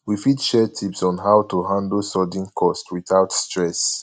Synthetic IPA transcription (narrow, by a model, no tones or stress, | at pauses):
wifitʃɛtʰipsɔ̃nɦaʊtuɦãndl̩sɔdĩŋkʰɔstʰwiθaʊtstɹɛs